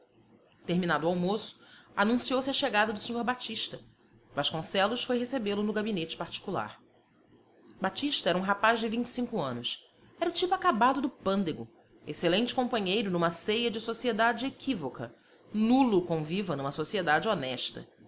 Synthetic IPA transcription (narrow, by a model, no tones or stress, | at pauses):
t̪eɾminad̪ʊawmosʊ̥anũsiowsɪɐʃeɡad̪ɐd̪ʊsiɲoɾbat͡ʃiʃt̪ɐ | vaʃkõsɛlʊsfojɦesebelʊnʊɡabinet͡ʃɪ̥paɾt͡ʃi̥kula̰ɾ | bat͡ʃiʃt̪ɐɛɾɐũɦapaʒd͡ʒɪvĩɲt͡ʃɪ̥sĩŋkʊɐ̃nʊs | ɛɾɐʊt͡ʃipʊakabad̪ʊd̪ʊpɐ̃nd̪eɡʊ̰ | eselẽnt͡ʃɪ̥kõmpɐ̃ɲejɾʊnũmɐsejɐd͡ʒɪsosied̪ad͡ʒɪekʰivokɐ̰ | nulukõvivɐnũmɐsosied̪ad͡ʒɪonɛʃt̪ɐ̰